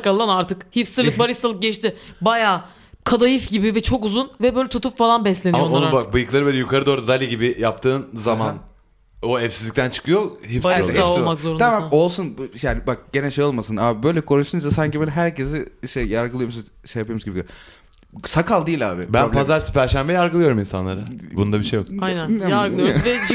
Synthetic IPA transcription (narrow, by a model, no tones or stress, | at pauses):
kalˠːanaɾt̪ʰɯkhifsɯɾlˠɯk̚baɾɯst̪alˠɯk̚ɟɛt͡ʃt̪ɪbajaː | kʰad̪ajɯfɟibɪvɛt͡ʃʰo̞kuzunvɛbø̞jlʲɛt̪ut̪upfalˠanbɛslʲe̞nimoonubak̚bɯjɯklˠaɾɯbølʲɛjukʰaɾɯd̪o̞ːɾud̪ad̪alʲiɟibɪjap̚t̪ʰɯːnzaman | o̞ɛfsizlʲic̚t̪ʰænt͡ʃʰɯ̥kɯjohipsmakzoɾunʰamao̞lˠsunbjaːnɪbak̚ɟ̥e̞nɛʃejo̞lˠmasɯnaːbbø̞jlʲɛkʰo̞ɾuʃt̪und͡ʒasaɲcʰibøːlʲɛɦæɾce̞zɪiʃt̪ɛjaɾɡɯlˠɯjo̞msun | ʃejapʰɯomzɡɟibiɡø | sakʰalˠd̪iːlʲaːbɪbænblpʰazaɾspʰæɾʃæmbɛjaɾɡɯlˠɯjo̞ɾuminsa̰nlˠaɾabunund̪abiʃejo̰kajnænjaɾɡɯlˠjovɛ